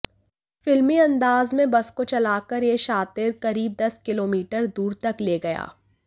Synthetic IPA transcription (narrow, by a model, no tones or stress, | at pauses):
fɪlmiɐ̃nd̪aːzmẽbɐskot͡ʃɐlaːkəɾjeʃaːt̪ɪɾkɐɾiːb̚d̪ɐskɪloːmiːʈəɾd̪uːɾt̪ɐkleːɡɐja̰ː